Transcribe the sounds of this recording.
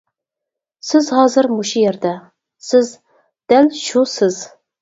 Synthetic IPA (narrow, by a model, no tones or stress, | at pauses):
sɨzhɑːzɨrmuʃijɛrd̪a | sɨz | d̪̥ælʃusɨz